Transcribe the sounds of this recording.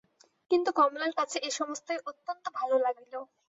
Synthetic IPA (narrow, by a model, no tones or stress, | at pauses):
kint̪ukɔmlaɾkat͡ɕʰeʔeʃɔmost̪oeʔot̪ːont̪obʱalolaɡilo